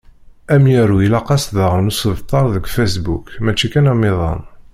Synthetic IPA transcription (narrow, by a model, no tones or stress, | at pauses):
æmjæɾuilɑqɑsðaʁənusəvt̪ˤːɑɾˤðəɡʷfæsbukmæt͡ʃːikænæmɪðˤɑ̰n